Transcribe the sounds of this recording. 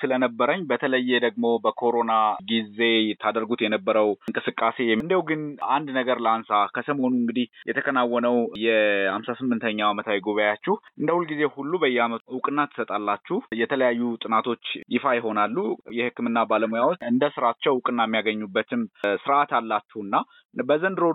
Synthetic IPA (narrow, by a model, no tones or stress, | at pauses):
sɨlənəbːəɾəɲːbət̪ʰələjːɛd̪əɡmo̞bəkʰo̞ɾo̞naɡize̞t̪ʰad̪əɾɡut̪jɛnəbːəɾəwɨŋkʼɨsɨkʼːase̞jɛɨnd̪əwɡɨnʔand̪nəɡəɾləansakʰəsəmonuɨŋɡɨd̪ihjɛt̪ʰəkʰənawːɔnəwjɛhamsasɨmːɨnt̪ʰəɲːaamət̪ʰawjɡoβəjat͡ʃːuhʔɨnd̪əhulɡize̞hulːubəjːɛhaməwʊkʼɨnːat̪ʰːɨ̥sət̪ʼalːat͡ʃːuhjɛt̪ʰələjajːut̪ʼɨnat̪ʰo̞t͡ʃːjɪfajɪɦo̞nalːujɛhɨkːɨmɨnːabaləmojawoɨnd̪əsɨɾat͡ʃːɛwʊkʼɨnːajmːijaɡəɲːubːət̪ʰɨmsɨɾʔat̪alːat͡ʃːuhnːa | bəzənd̪ɨɾo